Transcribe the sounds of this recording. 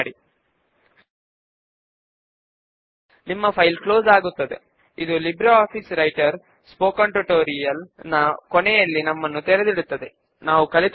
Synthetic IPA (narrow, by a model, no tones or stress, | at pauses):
ɽi | nimːɐpʰɐjlklo̞ːzaːɡut̪ːɐd̪e̞̰ | id̪ulibɾɐaːpʰisɾɐjʈɐɾ | spoːkɐɳʈuʈoːɾijɐlnɐkɔnɛjɐlːinɐmːɐnːut̪ɛɾed̪iɽut̪ːɐd̪e̞ | naːʋukɐlit̪